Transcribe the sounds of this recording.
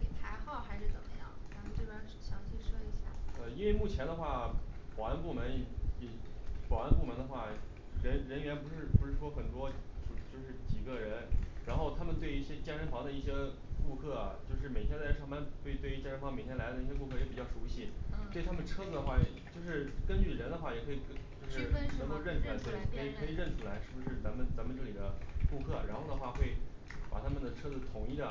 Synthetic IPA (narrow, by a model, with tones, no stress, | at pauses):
ke˨˩p̪ʰa˧˥ɪxɑ˥˩ʊxa˧˥ɪʂɻ̩˥˩t͡sə˨˩mə˦jɑ̰˥˩ŋa˧˥n˥twe˥˩a˥n̩˥˩ɕjɑ˧˥ŋt͡ɕʰi˥˩ʂɤ˥i˧˥ɕja̰˥˩ə˧i˥nwe˥˧ɪmu˥˩t͡ɕʰjɛ˧˥nd̪ə˧xwa˥˩pwɑ˨˩a˥˧npu˥˩mə˧˥n˩ɛ˨˩pwa˨˩a˥˧npu˥˩mə˧˥nd̪ə˧xwa˥˩ | ɻə˧˥nɻə˧˥nɥɛ˧˥npʂɻ̩˥˩pu˧˥ʂɻ̩˥˩ʂwɔ˥xə˨˩nt̪wɔ˥˧˩t͡ɕjo˥˧ʊʂɻ̩˥˩t͡ɕi˨˩ɡə˧ɻə˧˥nɻa˧˥nxo˥˩ʊt̪ʰa˥mə˨nt̪we˥˧ɪi˥˩ɕjɛ˥t͡ɕjɛ˥˧nʂə˧˥nfɑ˧˥ŋd̪ə˧i˥˩ɕjɛ˥ | ku˥˧kʰɤ˥˩ɐ̰˩t͡ɕjo˥˧ʊʂɻ̩˥˩me˨˩ɪt̪ʰjɛ˥nt͡sɪʈ͡ʂʰɑ˥ŋma˧˥npwe˥˧ɪt̪we˥˧ɪ˥t͡ɕjɛ˥˧nʂə˧˥nfɑ˧˥me˨˩t̪ʰjɛ˥nla˧˥d̪ə˧i˥˩ɕjɛ˥ku˥˧kʰɤ˥˩jɛ˧˥pi˨˩t͡ɕjɑ˥˩ʊʂu˧˥ɕi˥˧t̪we˥˩ɪt̪ʰa˥mə˨nʈ͡ʂʰɤ˥d͡z̩˨˩d̪ə˩xwa˥˩jɛ˨˩t͡ɕjo˥˧ʊʂɻ̩˥˩kə˥nt͡ɕy˥˩ɻə˧˥nd̪ə˧xwa˥˩jɛ˨˩kʰɤ˥i˨˩kt͡ɕjo˥˧ʊʂɻ̩˥˩nə˧˥o˧ɻə˥˩n̩ʰ˧la˧˥t̪we˥˩ɪkʰɤ˧˥i˨˩kʰɤ˧˥i˨˩ɻə˥˩nt͡s̩ʰ˧˥la˧˥ɪʂɻ̩˥˩bu˧˩ʂɻ̩˥˩t͡sa˧˥nmə˨nt͡sa˧˥nmə˧nʈ͡ʂɤ˥˩li˨˩d̪ə˦ku˥˧kʰɤ˥˩ɻa˧˥nxo˥˩d̪ə˩xwa˥˩xwe˥˩ɪ | pa̰˨˩t̪ʰa˥mə˨nd̪ə˩ʈ͡ʂʰɤ˥d͡zɹ̩˨t̪ʰʊ˨˩ŋi˥˩d̪ə˩